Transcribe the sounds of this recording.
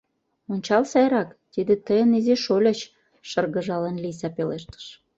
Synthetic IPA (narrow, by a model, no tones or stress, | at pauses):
onʲt͡ɕɑlsɑjɾɑkt̪id̪et̪əjəniziʃolʲɤt͡ɕ | ʃərɣə̆ʒɑlənlis̬ɑpeleʃt̪ə̥ʃ